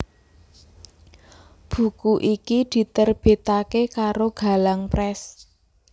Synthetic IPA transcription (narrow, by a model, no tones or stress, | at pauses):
b̥ṳkuʔikid̪̥i̤t̪ərb̥e̤t̪akekaɾoɡ̥a̤laŋpɾɛs